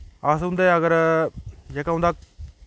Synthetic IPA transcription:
asɦʊ̃nd̪eəɡəɾ | d͡ʒeːkaːɦʊ̃nd̪aː

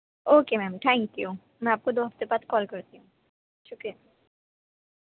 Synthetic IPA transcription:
okemɛmʈʰaj̃nt̪io | amiap̚kod̪oɦapt̪epat̪kɔlkoɾt̪iu | ʃʰuke

